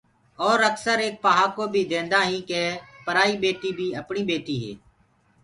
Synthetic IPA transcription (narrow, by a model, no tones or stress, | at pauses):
ɔːɾəksəɾeːk̚paɦaːkoːbʱiːd̪ẽːnd̪aːɦĩːkeːpəɾaːiːbeːʈiːbʱiːəpɳiːbeːʈiːɦɛ̰ː